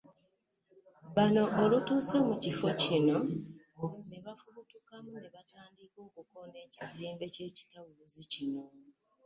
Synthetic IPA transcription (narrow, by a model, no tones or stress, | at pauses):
βano̞ʔːlutuːse̞mucifo̞cino̞ | neβafuβutukamuneβataːndikokukone̞ːciziːmbe̞ce̞ːci̥tawuuzicino̞